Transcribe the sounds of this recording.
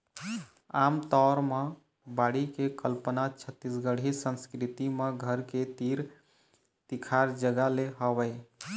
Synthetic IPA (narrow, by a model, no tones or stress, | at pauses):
amt̪ɔɾme | baɽikekəlpənat͡ʃʰət̪ːisɡəɽ̤ʱisənskɾit̪imeɡʱəɾket̪iɾ | t̪ikʰaɾd͡ʒəɡaleɦəbəɪ